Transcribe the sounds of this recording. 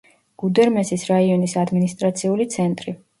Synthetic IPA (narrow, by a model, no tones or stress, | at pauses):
ɡ̥ud̪ɛɾmɛsisɾaiɔnisad̪minist̪ʼɾat̪sʰiulit̪sʰɛnt̪ʼɾi